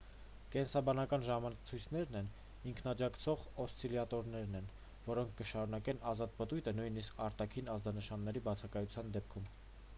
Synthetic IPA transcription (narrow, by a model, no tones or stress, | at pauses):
kɛnsɑbɑnɑkɑnʒɑmɑnt͡sʰujt͡sʰnɛɾnɛn | iŋkʰnɑd͡ʒɑkt͡sʰɔʁɔst͡sʰiljɑt̪ɔɾnɛɾnɛn | vɔɾɔŋkʰːəʃɑɾunɑkɛnɑzɑt̪̚pət̪ujt̪ʰənujniskʰɑɾt̪ɑkʰinɑzd̪ɑnəʃɑnːɛɾibɑt͡sʰɑkɑjut͡sʰjɑnd̪ɛpkʰum